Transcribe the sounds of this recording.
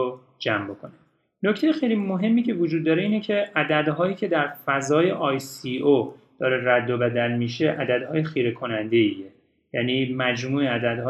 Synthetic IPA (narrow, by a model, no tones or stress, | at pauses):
d͡ʒæmbo̞kʰone | noct̪ʰejexejlimoɦe̞mːiːcʰe̞vod͡ʒuːd̪̚ːɒːɾeiːnecʰe̞æd̪æd̪ɦɒːjiːcʰe̞d̪æɾfæzɒːje̞ʔɒːjsiod̪̥ɒːɾeræd̪ːobæd̪ælmiːʃeʔæd̪æd̪hɒːjexiːɾekʰo̞nænd̪e̞iːje | jæniːmæd͡ʒmuːeæd̪æd̪ɦː